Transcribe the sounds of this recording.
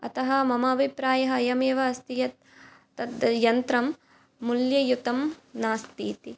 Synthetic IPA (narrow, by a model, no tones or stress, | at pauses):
ɐ̰t̪ɐɦɐmɐmaːbʱipɾaːjɐɦɐːjɐmeːʋɐɐst̪ijɐt̪ː | ɐt̪jɐnt̪ɾɐmː | uljɐjut̪ɐmnaːst̪iːt̪i